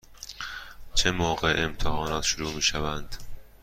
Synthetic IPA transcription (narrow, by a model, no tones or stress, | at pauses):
t͡ʃʰemoːɢe̞emt̪ʰehɒːnɒːt̪ʃoɾuːmiːʃævænd̪̥